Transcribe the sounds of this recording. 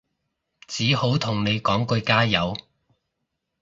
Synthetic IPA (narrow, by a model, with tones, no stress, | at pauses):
t͡siː˨˥ho˨˥wt̪ʰʊ˨˩ŋne˨˧jkɔː˨˥ŋkɵ˧jkaː˥jɐ˨˧w